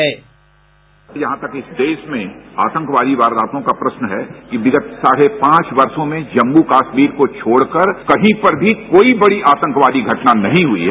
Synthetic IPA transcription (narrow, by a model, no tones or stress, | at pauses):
ɛ | jɐɦãt̪ɐkɪsd̪eːʃmẽa̰ːt̪ə̃ŋkʋaːd̪iʋaːɾd̪aːt̪õkapɾɐsnəɦɛkiʋɪɡət̪saːɽepãːt͡ʃʋɐɾsõmẽd͡ʒɐ̃mbukaːsmiːɾkot͡ʃʰoːɽkɐɾkɐɦĩpɐɾbʱikoːibɐɽiʔaːt̪ə̃ŋkʋaːd̪iɡʱɐʈnanɐɦĩɦʊḭɦɛː